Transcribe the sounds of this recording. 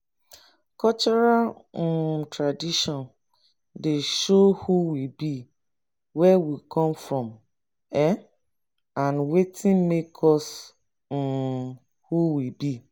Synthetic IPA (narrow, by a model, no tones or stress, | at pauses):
kɔt͡ʃɔɹal̩ | tɹadiʃɔ̃n | deʃohuwibi | wɛwikʰɔ̃mfɹɔ̃m | ɛ | ãnwetʰĩnmekʰɔs̩ | huwibi